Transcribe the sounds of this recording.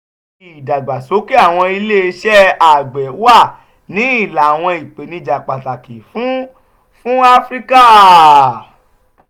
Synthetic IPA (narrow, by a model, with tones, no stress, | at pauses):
i˨da˨ɡ͡ba˨so˨˦ki˦a˦˨w̃ɔ̃˧i˧le˦˧ʃɛ˦a˦˨ɡ͡bɛ˨˦wa˦˨ | nĩ˨˦i˦˨la˨w̃ɔ̃˧i˨k͡pe˨nĩ˧d͡ʒa˨k͡pa˨ta˨ki˨fũ˨˦ | fũ˦a˦fɾi˦ka˦˨